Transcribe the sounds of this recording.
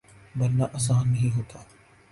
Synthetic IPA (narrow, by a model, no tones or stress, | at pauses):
bɐlnaːʔaːsaːnːɐɦĩɦoːt̪aː